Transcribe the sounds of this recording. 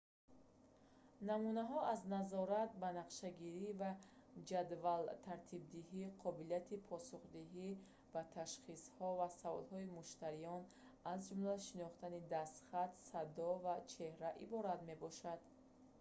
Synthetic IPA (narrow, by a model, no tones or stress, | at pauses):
namunaɦɔʔaznazɔɾat̪̚banaqʃaɡiɾivad͡ʒad̪valt̪ʰaɾt̪ʰib̚d̪iɦiqʰɔbilijat̪ʰipʰɔsuχd̪iɦi | bat̪ʰaʃχishɔvasavɔ̰d̪hɔimuʃt̪aɾijɔn | azd͡ʒumlaʃinɔχt̪anid̪ast̪χat̪sad̪ɔvat͡ʃʰe̞hɾaʔibɔɾat̪me̞bɔʃad̪̥